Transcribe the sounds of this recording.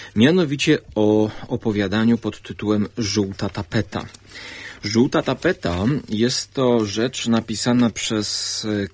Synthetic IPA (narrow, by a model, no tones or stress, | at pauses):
mʲjanɔvʲit͡ɕɛɔɔpɔvʲjad̪aɲupɔt̪ːɘt̪uwɛmʐuwt̪at̪apɛt̪a̰ | ʐuwt̪at̪apɛt̪ajɛst̪ːɔʐɛt͡ʂnapʲisanapʂɛs